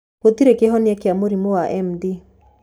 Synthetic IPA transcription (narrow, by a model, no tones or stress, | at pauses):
pot̪iɾekeɦɔnjakeamoɾimowaʔɛmdi